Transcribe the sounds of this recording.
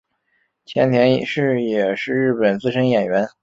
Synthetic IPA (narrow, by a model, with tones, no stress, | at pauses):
t͡ɕʰjɛ˧˥nt̪ʰjɛ˧˥n˨˩ʂɻ̩˥˩jɛ˨˩ʂɻ̩˥˧ɻɻ̩˥˩pə˨˩nt͡sɹ̩˥˩ʂɤ˥njɛ˨˩nɥɛ˧˥n